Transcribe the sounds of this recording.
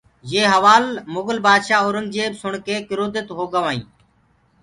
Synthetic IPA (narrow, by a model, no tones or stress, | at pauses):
jeːɦəʋaːlmʊɡəlbaːd̪ʃaːʊɾʊnd͡ʒeːbsʊɳkeːkɪɾoːd̪ət̪ɦoːɡəʋãːḭ̃ː